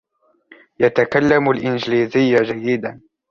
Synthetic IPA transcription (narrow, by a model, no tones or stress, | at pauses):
jat̪akalːamʊlʔɪnd͡ʒliːzɪjːad͡ʒajːɪd̪an